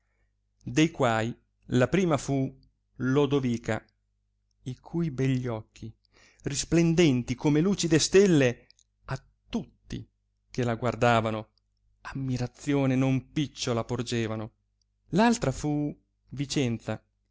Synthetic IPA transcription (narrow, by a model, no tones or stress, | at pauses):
d̪ejkwaːj | lapɾiːmafu | lod̪oviːka | ikʰujbɛʎːɔkʰːi | risplend̪ɛnt̪ikomeluːt͡ʃid̪est̪elːe | at̪ːut̪ːḭ | kelaɡward̪aːvano | amːiɾat̪sːjoːnenompit͡ʃːolapord͡ʒeːvano | lalt̪ɾafu | vit͡ʃɛnt̪sa̰